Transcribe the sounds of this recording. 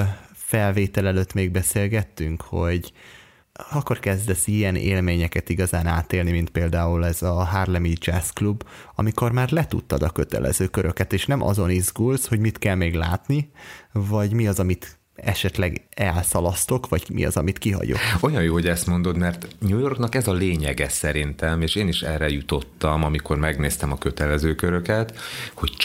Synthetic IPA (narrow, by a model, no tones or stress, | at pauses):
fɛlveːt̪ɛlɛløt̪meːɡ̚bɛseːlɡɛt̪ːyŋkhoɟ | ɒkːorkɛzd̪ɛsijɛnḛːlmeːɲɛkɛt̪iɡɒzaːnaːt̪eːlnimint̪̚peːld̪aːulɛzɒɦaːrlɛmid͡ʒɛsklubːɒmiko̞rmaːrlɛt̪ut̪ːɒd̪ɒkø̞t̪ɛ̰lʔɛ̰zøːkø̞ɾø̞kɛt̪eːʃnɛmʔɒ̰zo̞nizɡulsho̞ɟmit̪kɛlmeːɡlaːt̪nivɒɟmiɒzɒmit̪ | ɛ̰ʃɛt̪lɛɡɛlsɒlɒst̪o̞kʋɒɟmḭɒ̰zɒmit̪kiɦɒ̰ɟo̰ko̞jɒjjoːhoɟɛst̪mo̞nd̪o̞d̪mɛrt̪ɲuːjo̞rknɒkɛzɒleːɲɛɡɛsɛɾint̪ɛmeːʃeːniʃɛ̰rɛjut̪o̞t̪ːɒmɒmiko̞rmɛɡneːst̪ɛmɒkøt̪ɛlɛzøːkøɾø̞kɛt̪ho̞ct͡ʃ